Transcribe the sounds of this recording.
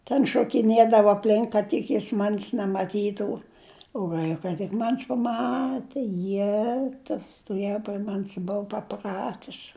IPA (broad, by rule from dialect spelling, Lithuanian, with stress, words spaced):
tʲɛn ʃoːkʲɪˈnʲeːdɐʋoː ɐpʲˈlʲɪŋk kɐt ˈtʲɪk jɪs mɐnʲsʲ nʲɛmɐˈtʲiːtuː ʊ ˈʋɐɪkɐ tʲɪk ˈmɐnʲsʲ pɐˈmɑːtʲɛ ˈjæːtɐʊ stoːˈʋʲeːjʊ pʲrʲɪ ˈmɐnʲsʲ ˈbʊʊ pɐˈprɑːtʲɪs